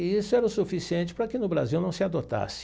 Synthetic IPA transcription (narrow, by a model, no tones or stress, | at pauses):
isʊɛɾɐʊsufisiẽnt͡ʃɪ̥pɾɐkɪnʊbɾaziwnɐ̃w̃sɪad̪ot̪a̰sɪ̥